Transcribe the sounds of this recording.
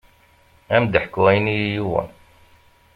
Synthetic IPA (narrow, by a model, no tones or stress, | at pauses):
æmd̪əħkːuæjnijjuwə̰n